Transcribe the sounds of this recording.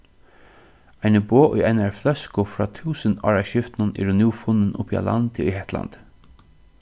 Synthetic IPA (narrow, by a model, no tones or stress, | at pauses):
ajnəboːʔʊjajnaɹflœskʊfɾɔːt̪ʰuːsənɑ̰ːɹaɕɪft̪nʊnɛ̰ɾʊnjuːfʊnːɪnʊ̰pia̰lʔa̰nt̪ɪiɦɛht̪la̰nt̪